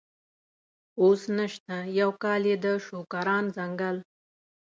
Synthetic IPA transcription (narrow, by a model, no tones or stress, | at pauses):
osnəʃt̪ajawkɑljed̪əʃokaɾɑnzaŋɡal